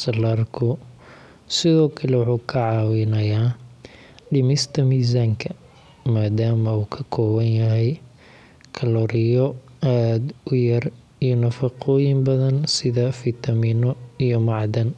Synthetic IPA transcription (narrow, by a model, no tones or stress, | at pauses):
sɐlaːrkʰʊ | sɪðɔːkʰɐlɛwʊħuːkʰɐʕɑːwɪnɐjaː | ɖɪmɪst̪ʰɐmiːs̬aːŋkʰɐ | maːd̪aːmɐuːkʰɐkʰɔːwɐnjɐɦɛj | kʰɐlɔːɾɪjɔ | aːd̪ʊjɐr | ijɔnɐfɐqɔːjɪmbɐðɐnsɪðɐfɪt̪ʰɐmiːnɔijɔmɑʕd̪ɐn